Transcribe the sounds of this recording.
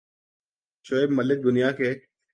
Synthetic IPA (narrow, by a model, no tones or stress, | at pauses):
ʃoːebmɐlːɪt̪̚d̪ʊnijaːkeː